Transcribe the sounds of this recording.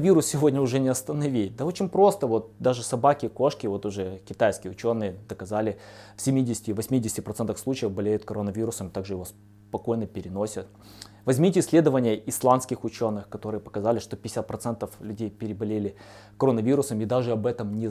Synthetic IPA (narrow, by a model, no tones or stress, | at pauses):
vʲiɾʊssʲɪvo̞dʲnʲəʊʐɛnʲɪɐst̪ənɐvʲiɪt̚d̪ao̞t͡ɕɪnʲpɾo̞st̪əvo̞t̪̚d̪aʐɨsɐbakʲɪko̞ʂkʲɪvo̞t̪ʊʐɛkʲɪt̪ajskʲɪjəʊt͡ɕo̞nːɨjəd̪əkɐzalʲɪfsʲɪmʲidʲɪsʲɪ̥tʲɪvɐsʲmʲidʲɪsʲɪtʲɪpɾɐt̪sɛnt̪əfslˠut͡ɕɪjəvbɐlʲejʊt̪̚kɐɾonːəvʲiɾʊsəmt̪aɡʐɨjɪvo̞s | pɐko̞jnəpʲɪɾʲɪno̞sʲət̪ | vɐzʲmʲitʲɪsʲlʲe̞d̪əvənʲɪjəɪslˠanskʲɪxʊt͡ɕo̞nːɨxkɐt̪o̞ɾɨjəpə̥kɐzalʲɪʂt̪o̞pʲɪɪsʲat̪̚pɾɐt̪sɛnt̪əflʲʉdʲejpʲɪɾʲɪbɐlʲelʲɪ | kɐɾonəvʲiɾʊsəmid̪aʐɨɐbɛt̪əmnʲɪ